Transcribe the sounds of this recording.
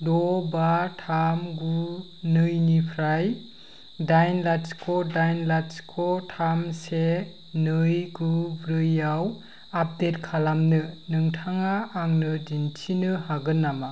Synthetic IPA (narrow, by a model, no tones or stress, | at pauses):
dɔbatʰamɡu | nɯjnipʰɾaj | dajnlaskʰɔdajnlatskʰɔtʰamse | nɯjɡubɾɯjaw | ap̚detkʰalamnɯnɯŋtʰaŋaːŋnɯdintʰinɯhaɡɯnːama